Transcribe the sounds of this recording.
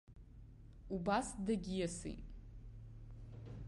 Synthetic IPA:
ubasdaɡʲijasḭjtʼ

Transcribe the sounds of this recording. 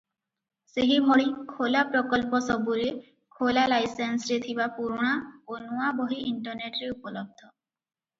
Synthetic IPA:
seɦimoɽikʰolapɾɔkɔlpɔsɔbuɾe | kʰolalajsensɾet̪ʰibapuɾuɽ̃aonuwabɔɦiiɳʈɔɾneʈɾeupɔlɔb̚d̪ʱɔ

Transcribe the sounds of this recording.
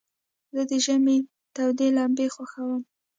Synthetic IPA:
zəd̪əʒəme | t̪awd̪elɑmbexwaxawəm

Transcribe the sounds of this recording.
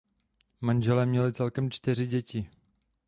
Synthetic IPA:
manʒɛlɛmɲɛlɪt͡sɛlkɛmt͡ʃt̪ɪr̝ɪɟɛci

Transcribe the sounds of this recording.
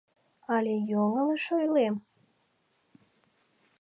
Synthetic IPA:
ɑlʲejoŋələʃojlem

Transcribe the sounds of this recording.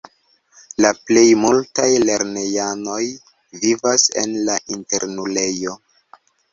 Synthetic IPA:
laple̞jmultajle̞ɾne̞jano̞j | vivase̞̰nlaʔinte̞ɾnule̞jo̞

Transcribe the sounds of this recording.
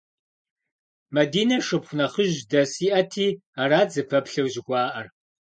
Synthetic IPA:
mɐdiːnɐʂɨpχʷʊnɐχəʑdɐsiːʔɐtʰiːaːɾaːd͡zɨpʰɐpɬɐwʑɪɡʷɑːʔɐr

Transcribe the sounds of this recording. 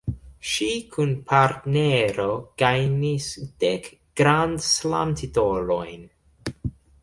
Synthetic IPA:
ʃikʰunpʰaɾtneɾoɡ̥ajnisd̥ek | ɡ̥ɾandsla̰mtʰitoɾo̰jn

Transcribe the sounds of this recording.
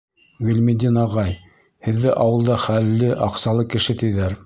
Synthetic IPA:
ɡɵ̆lʲmɘd̪ʲinɑʁɑj | hɘ̆ðːɘʔɑwɤ̆lˠd̪ɑχælːɘʔɑqsɑlˠɤkɘ̆ʃɘt̪ɘ̆jðæɾ

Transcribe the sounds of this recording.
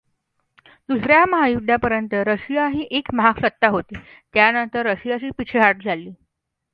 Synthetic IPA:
d̪usɾjaməɦajud̪ʱːapəɾjənt̪əɾəɕijaɦiːʔekməɦaksət̪ːaɦot̪iː | t̪janənt̪əɾːəɕijaɕiːpit͡ɕʰəɦaʈ̚d͡zʱalːiː

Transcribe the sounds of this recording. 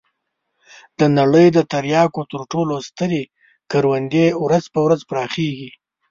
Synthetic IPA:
d̪̥ənaɽəjd̪ət̪aɾjɑkot̪əɾʈolost̪əɾe | kaɾwand̪ewɾazpəwɾazpɾɑxeɡi

